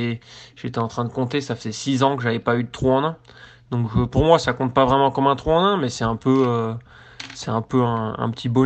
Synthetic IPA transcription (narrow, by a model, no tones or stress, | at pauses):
ʒet̪ɛɑ̃t̪χɛ̃d̪əkɔ̃t̪esafəz̥ɛsizɑ̃kəʒavɛpayd̪ət̪χuɑ̃nɛ̃ | d̪̥ɔ̃kʒəpuʁmwasakɔ̃t̪̚pavʁɛmɑ̃kɔmɛ̃t̪χuɑ̃nɛ̃mɛsɛɛ̃pøø | sɛɛ̃pøɛ̃ɛ̰̃pə̥t̪ʰibɔ